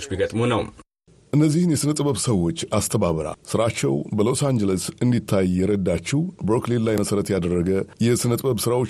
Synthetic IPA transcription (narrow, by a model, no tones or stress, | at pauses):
t͡ʃbikʼət̪ʼmunəw | ʔɨnːəzːihɨnjɛsɨnət̪ʼbəβsəwːo̞t͡ʃːast̪ʰəβaβəɾa̰lsɨɾat͡ʃːɛ̰wbəlo̞sand͡ʒələsɨnd̪it̪ʰːajːɛɾəd̪ːat͡ʃːibɾoklillajməsəɾət̪jad̪ərːəɡəjɛsɨnət̪ʼbəβsɨɾawo̞